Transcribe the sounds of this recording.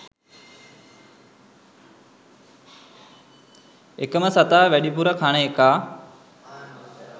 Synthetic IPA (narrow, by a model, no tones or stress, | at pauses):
ekəməsat̪aːʋæɖipuɾəkʰaɳəekaː